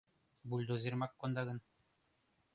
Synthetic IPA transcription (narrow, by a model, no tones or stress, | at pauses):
bulʲd̪uzʲiɾmakːond̪aɡɤ̆n